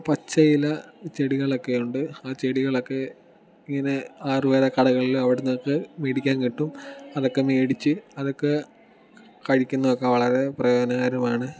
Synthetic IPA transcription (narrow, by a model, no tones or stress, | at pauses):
pɐt͡ɕːɐjilɐt͡ɕeɽiɣɐɭo̞kːejuɳɖɨaːt͡ɕe̞ɽiɣɐɭokːe̞ | iŋːɐne̞aːruʋeːɾɐkɐɽɐɣɐɭilumɐʋiɽenːokːɨmeːɽikʲːaːnkiʈːumɐðo̞kːe̞meːɽit͡ɕːɨɐðo̞kːe̞ | kɐɻikʲːunːɐðokːeʋɐɭɐɾe̞prɐjo̞ːɐnɐɣaːɾumaːɳɨ